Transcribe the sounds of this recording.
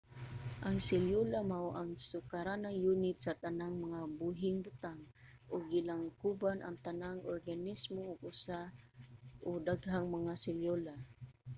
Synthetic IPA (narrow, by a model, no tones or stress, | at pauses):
ʔaŋsɪljolamawʔaŋsʊkaɾanaŋjunɪt̪̚sat̪anaŋmaŋabuɦɪŋbʊt̪aŋ | ʔʊɡːɪlaŋkubanʔa̰ŋt̪anaŋorɡanɪsmoʊɡʊsa | ʔʊd̪aɡɦaŋmaŋasɪljola